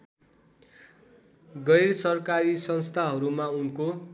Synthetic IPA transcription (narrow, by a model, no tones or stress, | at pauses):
ɡʌjrsʌrkaɾisʌnst̪ʰaɦʌɾumaunko